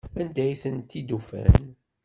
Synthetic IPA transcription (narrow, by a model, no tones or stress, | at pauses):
ænd̪æjθənt̪ːid̪ufæ̰n